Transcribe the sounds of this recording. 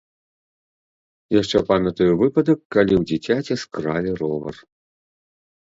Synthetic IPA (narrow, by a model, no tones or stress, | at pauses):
jaʂt͡ʂɛpanɐt̪ɔjvɨpɐd̪ɐkːalʲiwd͡zʲit͡sʲat͡sʲɛskɾalʲiɾɔvɐ̰r